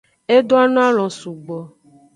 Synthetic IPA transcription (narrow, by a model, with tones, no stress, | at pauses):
e˦ɖo˦a˦nɔ̃˦a˦l̃ɔ̃˨su˨ɡ͡bɔ˨